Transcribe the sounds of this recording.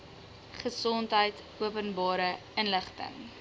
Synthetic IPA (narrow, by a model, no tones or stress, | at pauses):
χəsɔntɦəjt | uəpənbɑːɾə | ənləχtə̰ŋ